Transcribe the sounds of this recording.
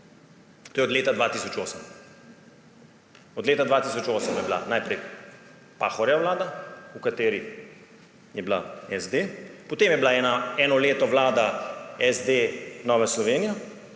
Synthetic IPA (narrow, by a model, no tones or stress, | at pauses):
t̪oːjɛɔd̪leːt̪ad̪ʋaːt̪iːsɔt͡ʃoːsəm | ɔd̪leːt̪ad̪ʋaːt̪iːsɔt͡ʃoːsəmjɛbla̰najpɾɛj | paːxɔɾjaʋlaːd̪aukat̪eːɾi | jɛbla̰ɛzd̪epɔt̪eːmjɛblaɛnaɛːnɔleːt̪ɔʋlaːd̪aɛzd̪enɔʋɛslɔʋeːnijɔ